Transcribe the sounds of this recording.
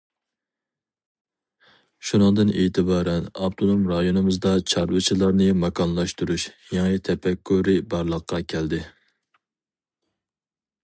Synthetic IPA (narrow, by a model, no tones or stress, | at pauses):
ʃunɨŋd̪ɨneːt̪ʰɨbɑːɾɛnɑ̰bt̪ʰonomɾɑjonɨmɨzd̪ɑt͡ʃʰɑɾvɨt͡ʃʰilˠɑɾnɨmɑkʰɑnlˠɑʃt̪uɾuʃjɑŋit̪ʰɛpʰɛkʲʰːuɾɪbɑɾlˠəqʰːɑkʲʰɛld̪ɪ